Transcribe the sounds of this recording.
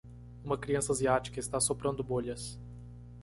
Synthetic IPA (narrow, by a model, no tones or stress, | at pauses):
ũmɐkɾiɐ̃sɐaziat͡ʃi̥kɐɪst̪asopɾɐ̃nd̪ʊboʎɐs